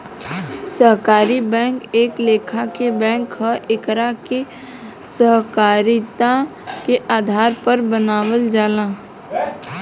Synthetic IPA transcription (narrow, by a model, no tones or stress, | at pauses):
səɦkaːɾibɛ̃ːŋkeːkleːkʰakebɛ̃ːŋkɦəʔɪkɾake | səɦkaːɾit̪akeʔaːd̪ʱaːɾpəɾbənaːwəld͡ʒaːlãː